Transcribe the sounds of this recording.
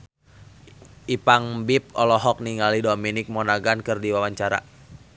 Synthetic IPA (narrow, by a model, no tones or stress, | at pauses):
ʔipaŋbip̚ɔlɔɦɔk̚niŋalidominɪk̚mɔnaɡankɨrdiwawaɲt͡ʃaɾa̰